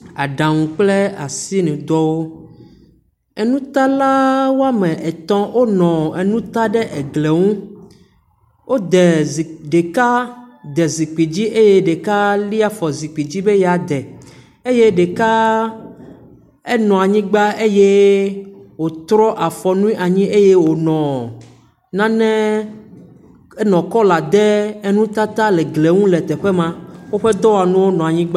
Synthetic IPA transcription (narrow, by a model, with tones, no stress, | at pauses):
a˨ɖã˨ŋũ˨k͡ple˦a˨si˦nɛ̃˨d̪ɔ˦wo˦ | ɛ˨nũ˦t̪a˦la˦wo˦a˦mɛ̃˨ʔɛ˨t̪ɔ̃˦wʔo˦nɔ̃˨e˨nũ˦t̪a˦ɖɛ˦ʔɛ˨ɡle˨ŋũ˦ | wʔo˦d̪ɛ˨ɖe˨ka˦d̪ɛ˨zi˨k͡pi˨d͡ʑi˦ʔe˦je˦ɖe˨ka˦li˦a˨fɔ˨zi˨k͡pi˨d͡ʑi˦be˦ja˨d̪ɛ˨ | e˦je˦ɖe˨ka˦ | e˦nɔ̃˨a˨ɲĩ˦ɡ͡ba˦e˦je˦ | wo˨t̪ɾɔ˦ʔa˨fɔ˨nũ˦ĩ˦ʔa˨ɲĩ˦e˦je˦wo˨nɔ̃˨ | nã˦nɛ̃˦ | e˦nɔ̃˨kɔ˦la˨d̪ɛ˦e˦nũ˦t̪a˦t̪a˦le˨ɡle˨ŋũ˦lɛ˨t̪ɛ˨ɸe˦mã˦wo˦ɸe˦d̪ɔ˦wa˨nũ˦wo˦nɔ̃˨a˨ɲĩ˦ɡ͡ba˦